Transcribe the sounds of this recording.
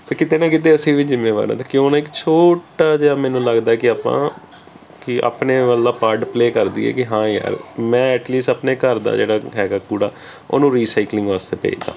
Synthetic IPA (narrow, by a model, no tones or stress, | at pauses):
t̪eːkɪt̪eːnãːkɪt̪eːəsĩːʋiːzɪmːeːʋa̰ːɾã̰ːt̪eːkjõːnaːɪkt͡ʃʰoːʈaːd͡ʒeːaːmɛ̃ːnũːləɡd̪aːkɪaːpã̰ː | kɪʔa̰ːpneːʋəld̪aːpaːɾɖpleːkəɾd̪ḭːɛ̰ːkɪɦãːja̰ːɾmɛ̃ːɛːʈliːsʈaːpneːkəɾd̪a̰ːd͡ʒeːɽaːɦɛːɡaːkuːɽaː | o̰ːnũːɾiːsaɪklɪ̃ŋɡʋaːst̪eːpɛ̰ḭːt̪a̰ː